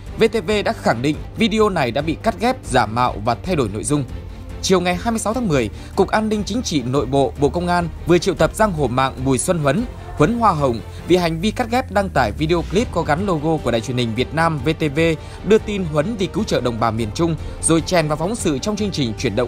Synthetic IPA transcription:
ve˧t̪e˧ve˧ɗa̰ː˧˥xa˧˩ŋɗḭ˧˨ŋ̟vi˧ɗi˧o˧na˨˩jɗa̰ː˧˥ɓḭ˧˨ka˦˥t̚ɣɛ˦˥p̚zaː˧˩mːa̰ː˧˨wvaː˨˩t̪ʰa˧jɗo˧˩jno̰˧˨jzʊ˧ŋ͡m | t͡ɕi˨˩əwŋa˨˩jɦaː˧jmɨ˧jsa˨˦wt̪ʰaː˨˦ŋmɨ˨˩əj | kʊ˨˩k̚ʔaː˧nːï˧ŋ̟t͡ɕï˨˦ŋ̟t͡ɕḭ˧˨no̰˧˨jɓo̰˧˨ɓo̰˧˨kə˧wŋ͡mʔaː˧nvɨ˨˩ət͡ɕḭ˧˨əwt̪ə˨˩p̚zaː˧ŋɦo˨˩ma̰ː˧˨ŋɓu˨˩jswə˧nɦwə˨˦n | hwə˨˦nɦwaː˧ɦə˨˩wŋ͡m | vḭ˨˩ɦa˨˩jŋ̟vi˧ka˦˥t̚ɣɛ˦˥p̚ɗa˧ŋt̪aː˧˩jvi˧ɗi˧o˧kli˦˥p̚kɔ˨˦ɣa˨˦nlo˧ɣo˧ku˧˩əɗa̰ː˧˨t͡ɕwi˨˩ənhï˨˩ŋ̟vi˨˩ət̚naː˧mve˧t̪e˧ve˧ | ɗɨ˧ət̪i˧nɦwə˨˦nvi˨˩kɨ˨˦wt͡ɕə̰ː˧˨ɗə̰˧˩wŋ͡mɓaː˨˩mi˨˩ənt͡ɕʊ˧ŋ͡mzo˨˩jt͡ɕɛ˨˩nvaː˨˩wfɔ˨˦wŋ͡msɨ̰˧˨t͡ɕɔ˧wŋ͡mt͡ɕɨ˧əŋt͡ɕï˨˩ŋ̟t͡ɕwi˧˩ənɗə̰˧˨ŋ͡m

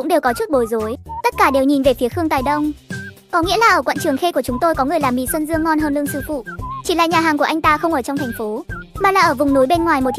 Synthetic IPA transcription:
ʊ̰˧˥ŋ͡mɗe˨˩wkɔ˨˦t͡ɕu˦˥t̚ɓo˨˩jzo˨˦jt̪ə˦˥t̚kaː˧˩ɗe˨˩wɲi˨˩nve˨˩fi˨˦əxɨ˧əŋt̪aː˨˩jɗə˧wŋ͡m | kɔ˨˦ŋḭ˧˥əlaː˨˩ʔəː˧˩kwə̰˧˨nt͡ɕɨ˨˩əŋxe˧ku˧˩ət͡ɕʊ˨˦ŋ͡mt̪o˧jkɔ˨˦ŋɨ˨˩əjlaː˨˩mḭ˨˩swə˧nzɨ˧əŋːɔ˧nɦəː˧nlɨ̰˧əŋsɨ̰˧˩fṵ˧˨t͡ɕi˧˩la̰ː˧˨ɲaː˨˩ɦaː˨˩ŋku˧˩əʔa˧jŋ̟t̪aː˧xə˧wŋ͡mʔəː˧˩t͡ɕɔ˧ŋ͡mt̪ʰjŋ̟fo˨˦maː˨˩laː˨˩ʔəː˧˩vʊ˨˩ŋ͡mnu˨˦jɓe˧nŋwaː˨˩jmo˨˩

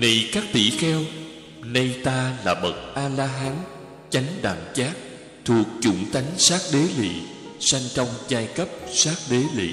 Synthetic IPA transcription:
nə˨˩jkaː˦˥k̚t̪ḭ˧˩˨xɛ˧w | nə˧jt̪aː˧laː˨˩ɓə˨˩t̚ʔaː˧laː˧ɦaː˨˦n | t͡ɕa˨˦ŋ̟ɗa̰ː˧˩nt͡ɕaː˦˥k̚ | t̪ʰu˨˩ək̚t͡ɕṵ˧˩ŋt̪a˨˦jŋ̟saː˦˥k̚ɗe˨˦lḭ˧˨ | sa˧ŋt͡ɕɔ˧wŋ͡mzaː˧jkə˦˥p̚saː˦˥k̚ɗe˨˦lḭ˧˨

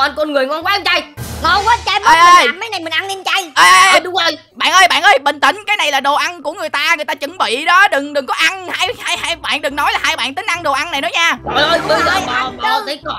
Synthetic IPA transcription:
nkɔ˧nŋɨ˨˩əŋɔ˧nkwaː˨˦a˧nt͡ɕa˧jnɔ˧wkɔː˨˦t͡ɕa˧ʔəː˧jʔəː˨˧jma˨˦jna˨˩jmï˨˩ŋʔa˧nni˧nt͡ɕa˧jʔəː˧jʔəːjə˧jʔə˧ɗʊ˨˦ŋ͡mʔəː˧j | ɓa̰ː˧˨nʔəː˧jɓa̰ː˧˨nʔəː˧jɓə̰˧˨n̟t̪ï˧˩ŋ̟kaː˨˦jna˨˩jlaː˨˩ɗo˨˩ʔa˧nku˧˩əŋɨ˨˩əjt̪aː˧ŋɨ˨˩əjt̪aː˧t͡ɕɨ˧˥˦ŋɓḭ˧˨ɗɔ˨˦ɗɨ˨˩ŋɗɨ˨˩ŋkɔ˨˦ʔa˧nhaː˧jhaː˧jhaː˧jɓa̰ː˧˨nɗɨ˨˩ŋnɔ˨˦jlaː˨˩haː˧jɓa̰ː˧˨nt̪ï˨˦ŋ̟ʔa˧nɗo˨˩ʔa˧na˨˩jnɔ˨˦ɲaː˧ə˨˧jʔəː˧jɓə˧jzəː˨˩ɓa˨˩˧t̪ə˨˦kɔ˧˨

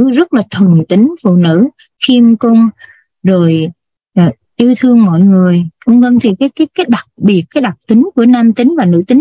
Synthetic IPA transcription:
zə˦˥t̚laː˨˩t̪ʰə˨˩ŋt̪ï˨˦ŋ̟fṵ˧˨nɨ̰˧˥ | xi˧mko˧m | zo˨˩j | ʔ | ʔɨ˧t̪ʰɨ˧əŋmɔ̰˧˨jŋɨ˨˩əjkʊ˧ŋ͡mvə˧ŋt̪ʰi˨˩kaː˨˦jkaː˨˦jkaː˨˦jɗa˨˩t̚ɓi˨˩ət̚kaː˨˦jɗa˨˩k͡p̚t̪ï˨˦ŋ̟ku˧˩ənaː˧mt̪ï˨˦ŋ̟vaː˨˩nɨ̰˧˥t̪ï˨˦ŋ

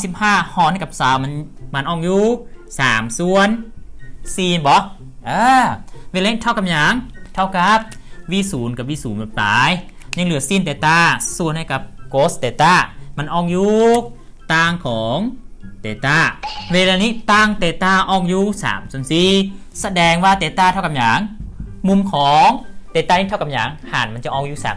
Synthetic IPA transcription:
a˧si˨˧˦p̚haː˧˩hɔː˧˩nha˧˩jka˧p̚saː˨˦wma˧˨nma˧˨nʔɔː˧˩ŋjuː˧˩k̚saː˩˦msu˧ən | siː˧˩mbɔ˨˦ | ʔɤː˧we˧lːniː˧t̪ʰa˧˩wka˧mjɲa˨˦ŋt̪ʰa˧˩wka˨˧˦p̚ | wiː˧˩˨suː˨˦nka˧˩p̚wiː˧˨suː˨˩˦nɛ˨˧˦p̚t̪aː˨˦j | ɲa˧ŋlɯ˨˦əsiː˧˨nt̪eː˨˧˦t̪aː˧˥˩su˧˩ənha˧˩jka˧˦p̚koː˧˦˥st̪eː˨˦t̪aː˧˩ma˧˨nʔɔː˧˩ŋjuː˧ | t̪aː˧˩ŋkʰɔː˨˦ŋt̪eː˨˩t̪aː˧˥˩weː˧laː˧niː˦˧˥t̪aː˧˩ŋt̪eː˨˧˩t̪aː˧˩ʔɔː˧˩ŋjuː˧˩sa̰ː˨˩˦msu˧˦ənsiː˧sa˧dɛː˨˧ŋwaː˧˩t̪eː˨˧˦t̪aː˧˩t̪ʰa˧˩ka˧˨mjaː˨˦ŋmu˧mkʰɔː˨˦ŋt̪eː˨˦t̪aː˧niː˦˧˥t̪ʰa˧˩ka˧˦mja̰ː˨˦ŋha̰ː˨˩˦nma˧nt͡ɕa˧˩ʔɔː˧˩ŋjuː˧˩sa̰ː˨˦m

